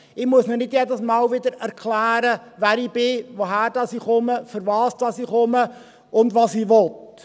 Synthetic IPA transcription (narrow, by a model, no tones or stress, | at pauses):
ɪmuəsnənɪdjɛdəsmɑːlʋɪd̪əɾæɾkʰχlæːɾəʋæːɾib̥ɪʋoɦæːɾd̥ɑsiːχʊməfəɾʋɑːsdɑsiːχʊmə | ʊndʋɑːsiːʋɔt̪